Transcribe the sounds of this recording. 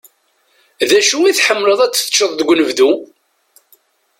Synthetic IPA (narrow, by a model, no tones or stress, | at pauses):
ðæʃuiθħəmːləðˤæt͡sːθə̥t͡ʃːəðˤðəɡʷnəvðu